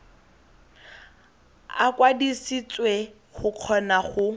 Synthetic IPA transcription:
a̰kwadisit͡swe | χʊq͡χʰɔnaχʊ

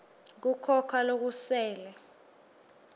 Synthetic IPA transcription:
k̬ukʰɔkʰalok̬usɛːlɛ

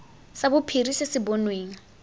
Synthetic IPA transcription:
sabʊpʰirisɪsɪbɔnweːŋ̩

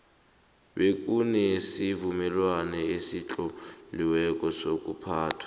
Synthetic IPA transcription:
ɓek̬ʼunɛsivumɛlwanɛesit͡ɬʼɔliwɛk̬ʼɔsok̬ʼupʰaːtʰwḁ

